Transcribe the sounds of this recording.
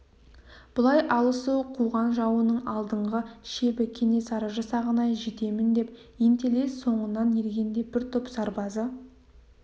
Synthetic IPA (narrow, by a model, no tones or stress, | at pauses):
b̥ʊlˠɑjʔɑlˠəsuwqʰuʁɑnʒɑwənəɴɑlˠd̪əɴʁəʃe̞bɪkʲʰe̞ne̞sɑɾəʒɑsɑʁənɑjʒet̪e̞mɪnd̪e̞p̚ | ent̪ele̞sːo̞ɴənɑnjeɾɡʲe̞nd̪e̞bɪɾt̪ʰʊpsɑɾbɑzə